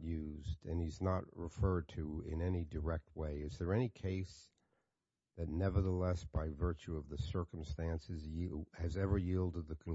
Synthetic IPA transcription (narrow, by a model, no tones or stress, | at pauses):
jʉzdɨ̃niznətʔ̚ɹɪfɜ˞d̚tʰɨɪ̃nɛnidə˞ɛk̚t̚weɪɨzðə˞ɛnikʰeɪs | ðɨtⁿnɛvə˞ðəlɛsb̥aɪvɜ˞t͡ʃʉʌvðɨsɜ˞km̩stæ̃nsɨzɨzɛvə˞jilˠdəd̪̚ðɨkʰn